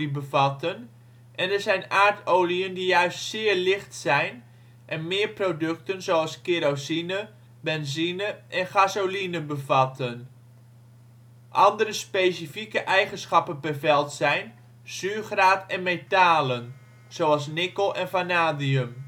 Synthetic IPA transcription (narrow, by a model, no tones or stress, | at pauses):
ibəvɑtən | ʔɛnəɹzɛjnaːrtʰoːliəndijœɥstsɪːɹlɪχtsɛjn | ʔɛnmɪːɹprodɵktənzowɑlˠskeɾosinə | bɛnzinəʔɛnχazolinəbəvɑtʰən | ʔɑndəɾəspejsifikəʔɛjχənsχɑpənbəvɛlˠtsɛjn | z̥yːχraːtɛnmetaːlən | z̥owɑlˠs̬nɪkəlˠɛnfanaːdiəm